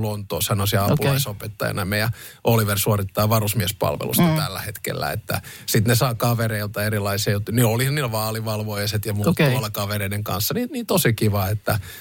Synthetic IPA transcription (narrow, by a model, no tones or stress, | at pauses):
lont̪o̰sɑnosiɑoueisopet̪ːɑ̰jɑ̰nɑmejɑ | ʔoliʋersuorit̪ːɑːʋɑrusmiespɑ̰lʋḛlṵst̪ɑtt̪ælːæ̰het̪kḛlːæ̰ḛt̪ːæ̰ | sit̪nesɑːkɑʋereilt̪ɑerilɑiseːjot̪ːnyolihniːlʋɑːliʋɑlʋojɑset̪jɑmuːolːekɑʋereideŋkɑ̰nsːɑniːniːt̪osikiʋɑːet̪ːæ